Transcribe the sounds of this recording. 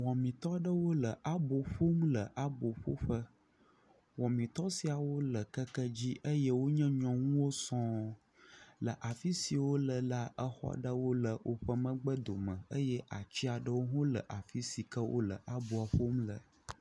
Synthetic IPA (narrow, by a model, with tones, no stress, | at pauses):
wɔ̃˨mĩ˨t̪ɔ˦ɖə˦wo˦lə˨ʔa˦bo˨ɸo˦mlə˨ʔa˦bo˨ɸo̰˦ɸə˦ | wɔ̃˨mĩ˨t̪ɔ˦si˨a˨wo˦lə˨kə˦kə˦d͡ʑi˦ʔə˦jɛ˦wo˦ɲɛ̃˦ɲɔ̃˦ŋũ˦wo˦sɔ̃˦ | lə˨ʔa˨fi˦si˨wo˦lə˨la˦ʔə˦xɔ̰˦ɖə˦wo˦lə˨wʔo̰˦ɸə˦mə̃˦ɡ͡bə˦d̪o˨mə̃˨ə˦jɛ˦ʔa˨t͡ɕi˦a˨ɖə˦wo˦ɦõ˦lə̰˨ʔa˨fi˦si˨kə˦wʔo̰˦lə̰˨ʔa˦bo˨a˨ɸo˦mlə̰˨